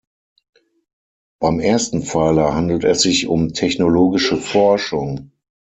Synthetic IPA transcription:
b̥aɪmʔeːɐstn̩faːləhandl̩tɛsz̥ɪçʊmtʰɛçnoloːɡɪʃəfɔɐʃʊŋ

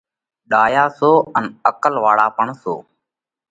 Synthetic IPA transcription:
ɗaːjaːsoːənəkəlʋaːɽaːpəɳso̰ː

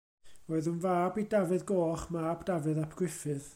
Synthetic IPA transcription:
oːɨðunvaːbidavɨðɡoːχmaːbd̥avɨðapʰɡ̥wɪfɨð

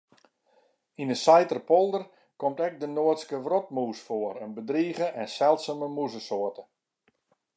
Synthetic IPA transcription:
inəsajtərpɔlˠdər | kɔmtɛk̚dənoətskəʋrɔt̚muːsfoəɾənbədriːɣəʔɛnsɛlˠtsəməmuzəsoərtə

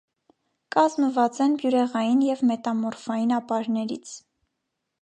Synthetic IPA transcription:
kɑzməvɑt͡sɛnbjuɾɛʁɑjinjɛvmɛt̪ɑmɔɾfɑjinɑpɑɾnɛɾḭt͡sʰ

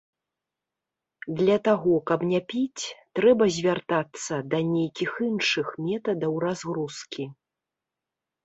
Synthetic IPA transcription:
d̪lʲɐt̪aɣɔkɐpnʲɛpʲit͡sʲt̪ɾɛbɐzʲvʲart̪at̪sːɐd̪ɐnʲejkʲixinʂɨxmʲɛt̪ɐd̪ɐwrazɣɾuskʲi

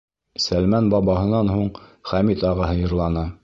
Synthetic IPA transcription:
sælmænbɑβɑɦɤ̆nɑnɦuɴχæmit̪ɑʁɑɦɤ̆jɤ̆ɾlˠɑnɤ

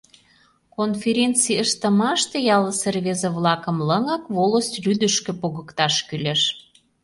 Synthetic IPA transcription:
konfʲeɾʲent͡siəʃt̪əmɑʃt̪ejɑləserβezeβlɑkə̆mləŋɑkβoləst̪ryd̪əʃkø̆poɣəkt̪ɑʃkyleʃ

